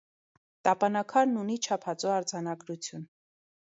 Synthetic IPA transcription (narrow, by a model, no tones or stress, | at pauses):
t̪ɑpɑnɑkʰɑɾnunit͡ʃʰɑpʰɑt͡suɑɾd͡zɑnɑɡɾut͡sʰjun